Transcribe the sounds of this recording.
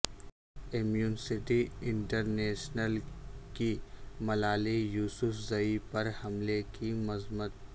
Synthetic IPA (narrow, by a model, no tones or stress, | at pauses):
emjuːnsɪʈiɪ̃ɳʈəɾneːʃnəlkimɐlaːlijuːsʊfzɐipɐɾhɐmlekimɐzmət̪̚